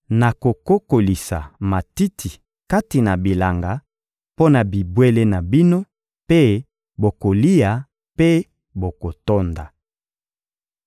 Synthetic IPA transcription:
na˨ko˨ko˦ko˨li˨sa̰˨ma˨ti˦tʰi˨ | ka˦ti˨na˨bi˨la˨ŋɡa˨ | po˦na˨bi˨bwe˦le˦na˨bi˦no˦ | pe˦ | bo˨ko˨li˦ja˨ | pe˦ | bo˨ko˨to˦nda˨

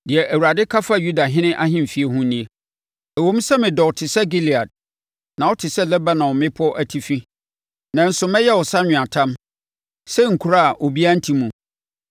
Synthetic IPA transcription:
dɪ˨ɛ˨ʔæ˨wu˨ɾa˨dɪ˦kʰa˦fa˦ju˦da˨ɦɪ̃˦nɪ̃˦ʔa˦hɪ̃˦m˨fi˨˦e˦ɦũ˦nĩ˦e˨ | æ˨wõ˦m˦sɛ˦mɪ̃˨dɔ˨tʰɪ˨sɛ˦ɡi˦li˨a˨d̚ | nã˨ɔ˦tʰɪ˨sɛ˦lɛ˦ba˦nã˨wɔ˨mɪ̃˦pʰʊ˦ɔ˦ʔæ˦tʰi˦fi˦ | nã˨n̩˦sʊ˨mɛ̃˦jɛ˦wɔ˨sa˦ɲᶣʊ̃˨a˨tʰã˦m | sɛ˦ŋ̩˨kʰu˨ɾa˦˨ʔo˨bi˦a˦n̩˦tʰi˦mũ˨

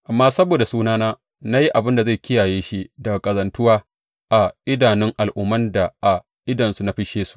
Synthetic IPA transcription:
ʔa˨mːaː˦sɐ˦boː˨da˨suː˦naː˦naː˦ | na˦ji˦ʔa˨bɪ˦nda˨za˦˨kʲɪ˦jaː˨jeː˦ʃi˦dɐ˨kʼɐ˨zɐ˨ntʊ˦waː˦ | ʔa˨ʔɪ˦daː˨nɪ˦ŋʔa˨lʔʊ˦mːɐ˦nda˨ʔa˨ | ʔɪ˦dɐ˨nsu˨na˦ɸɪ˦ʃeː˦su̥˦ʔ

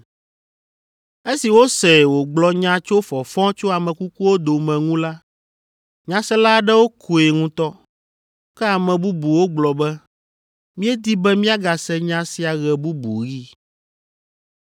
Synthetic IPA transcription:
e˦si˨wo˦sɛ˨wo˨ɡ͡blɔ˨ɲã˦t͡ʃo˦fɔ˨fɔ̃˦t͡ʃo˦a˨mɛ̃˨ku˦ku˦wo˦d̪o˨mɛ̃˨ŋũ˦la˦ | ɲã˨sɛ˦la˦ɖɛ˦wo˦kʰu˨e˨ŋũ˦t̪ɔ˦ | kɛ˦a˨mɛ̃˨bu˦bu˨wo˦ɡ͡blɔ˨bɛ˦ | mĩ˦ɛ˦d̪i˦bɛ˦mĩ˦a˦ɡa˨sɛ˦ɲã˦si˨a˨ɣɛ˨bu˦bṵ˨ɣi˦

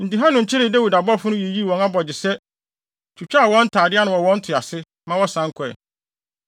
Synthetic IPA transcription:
n̩˨ti˨ɦã˦nʊ̃˨ɲ̩˨t͡ɕʰɪ˦ɾɪ˦˨dæ˦wi˨da˨bɔ˦fʊ˦ʊ̃˦je˨ji˦˨wɔ̃˨na˦bɔ˨d͡ʑɪ˨sɛ˦ | t͡ʃʰu˨t͡ɕᶣa˦˨wɔ̃˦n̩˦tʰaː˨dɪ˦a˦nʊ̃˨ɔ˨wɔ̃˦n̩˦tʰɪ˨a˨sɪ˦ | mã˦wɔ˦sã˨˦ŋ˦kʰɔ˨ɛ̰˨

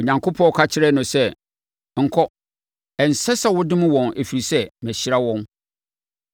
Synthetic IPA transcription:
o˨ɲã˨ŋkʰʊ˦pʰɔ̃˦kʰa˦t͡ɕʰɪ˦ɾɛ˦nʊ̃˨sɛ˦˨ | ŋ̩˨kʰɔ˦ | ɛ˨n̩˨sɛ˦sa˦wʊ˦dɪ̃˦mʊ̃˦wɔ̃˨ne˨fi˨ɾi˨sɛ˦mæ̃˨ɕɪ˦ɾa˦wɔ̃˦n

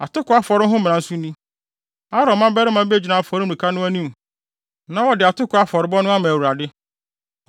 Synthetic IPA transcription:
a˨tʊ˦kʊ˨˦a˦fɔ˨ɾɪ˦ɦʊ̃˦m̃˨n˨ã˨n̩˦sʊ̃˦nũ˦ | a˦ɾɔ̃˨mã˦bɛ˦ɾɪ˦mã˨be˦d͡ʑi˨nã˨fɔ˨ɾɪ˦m˦˨ɾĩ˨kʰa˦nʊ̃˦æ˦nĩ˦m | nã˨˦wɔ˨dɪ˨a˨tʊ˦kʰʊ˨˦a˦fɔ˨ɾɪ˦bɔ˦nʊ̃˦a˦mã˨wu˨ɾa˨dɪ˦

